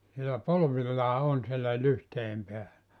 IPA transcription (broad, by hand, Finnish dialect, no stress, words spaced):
sielæ polʋilːɑː on sielæ lyhteiem peælæ